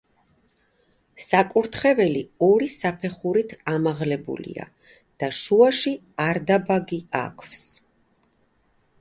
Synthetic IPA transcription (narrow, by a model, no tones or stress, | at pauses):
sakʼuɾt̪ʰχɛvɛliɔɾisapʰɛχuɾit̪ʰamaʁlɛbṵlḭa̰ | d̪̥aʃuaʃi | aɾd̪abaɡia̰kʰvs